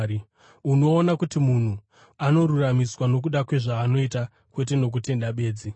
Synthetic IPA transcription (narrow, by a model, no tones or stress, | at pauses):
uno̞ːnakutimun̤u | ano̞ɾuramiswano̞k̬uɗakwe̞ʐaːno̞ita | kwe̞t̬e̞no̞k̬ute̞nɗaɓe̞ːd͡zi